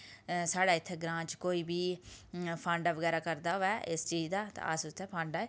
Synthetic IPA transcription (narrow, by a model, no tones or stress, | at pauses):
saːɽaːɪt̪ʰːɛːɡɾãːt͡ʃkoːiːbiː | pʰə̃ɳɖaʋəɡɛːɾaːkəɾd̪aːɛːʔɪst͡ʃiːd͡ʒd̪aːt̪ã̰asʊt̪ʰɛːpʰə̃ɳɖaːe